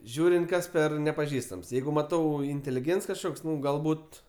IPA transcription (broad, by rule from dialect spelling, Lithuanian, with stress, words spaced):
ˈʒʲuːrʲɪnt ˈkɐs ˈpʲɛr nʲɛpɐˈʒʲiːstɐms ˈjɛɪɡʊ mɐˈtɐʊ ɪnʲtʲeːlʲɪˈɡʲeːnts kɐʃˈkoːks ˈnʊ ɡɐlˠˈbuːt